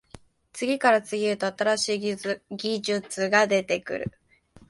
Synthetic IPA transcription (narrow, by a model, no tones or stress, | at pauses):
t͡sɨɡʲikaɾat͡sɨɡʲiɾɯ̟t̪o̞at̪aɾaɕiːɡʲiʑɨt͡sɨɡad̪e̞t̪e̞kɯ̟̰ɾɯ̟̰